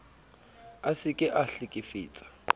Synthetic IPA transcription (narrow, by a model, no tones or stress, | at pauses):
asɪkʼɪʔaɬikʼifḭːt͡sʼḁ